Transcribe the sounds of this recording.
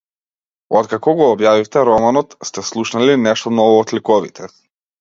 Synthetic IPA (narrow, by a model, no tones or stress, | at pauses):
ɔt̪kakɔɡɔːbjavift̪ɛɾɔmanɔt̪st̪ɛslˠuʃnalinɛʃt̪ɔmnɔvɔːt̪likɔvḭt̪ʰɛ